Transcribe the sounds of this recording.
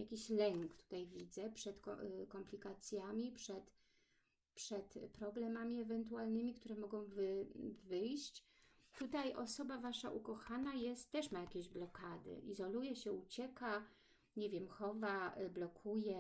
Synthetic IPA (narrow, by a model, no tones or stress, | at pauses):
jakʲiɕlɛŋkt̪u̥t̪ajvʲid̪zɛpʂɛt̪kkɔmplʲikat̪sʲjamʲipʂɛt̪ | pʂɛt̪pɾɔblɛmamʲiɛvɛnt̪̬ualnɘmʲikt̪uɾɛmɔɡɔ̃w̃vɘvɘjɕt͡ɕ | t̪ut̪ajʔɔsɔbavaʂa̰ʔukɔxanajɛst̪tːɛʂmajakʲeʑblɔkad̪ɘ̰ʔizɔlujɛɕɛut͡ɕɛka | ɲɛvʲjɛmxɔvablɔkʰujɛ